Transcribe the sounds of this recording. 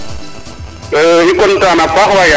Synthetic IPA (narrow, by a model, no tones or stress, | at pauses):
ikʼɔn̩tʼanapaχaja